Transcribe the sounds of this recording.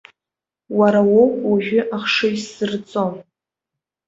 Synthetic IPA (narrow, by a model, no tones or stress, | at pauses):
waɾawokwaʒʲʷᶣʏʔaχʂɨisɨrt͡sʼom